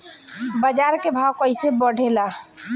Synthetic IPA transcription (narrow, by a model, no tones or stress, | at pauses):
bəd͡ʒaɾkebʱawkəɪsebəɽʱela